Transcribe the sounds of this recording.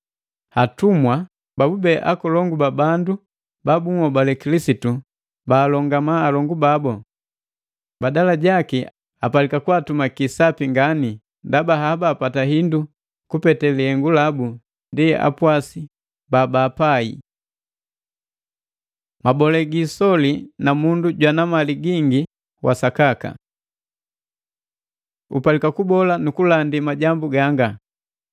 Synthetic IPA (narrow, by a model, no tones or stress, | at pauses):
hatumwa | babubɛʔa̰kɔlɔŋɡubabandu | babuŋɔbalɛkilisitu | baːlɔŋɡamaːlɔŋɡubabɔ | badalaɟaki | apalikakwatumakisapiŋɡani | ndabaɦabaːpataɦindu | kupɛtɛliɛŋɡulabu | ndia̰pwasi | babaːpaḭ | mabɔlɛɡisɔlinamunduɟwanamaliɡiŋɡi | wʔa̰sakaka̰ | ṵpalikakubɔlanukulandimaɟambuɡaŋɡa